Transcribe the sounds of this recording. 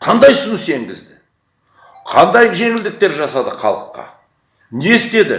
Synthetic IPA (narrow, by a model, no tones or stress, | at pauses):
qʰɑnd̪ɑjsʊnəse̞ŋɡʲɪzd̪ɪ | qʰɑnd̪ɑjʒe̞ŋɪld̪ɪk̚t̪e̞ɾʒɑsɑd̪əqʰɑ̰lˠəqːɑ̰ | nest̪e̞d̪ɪ̰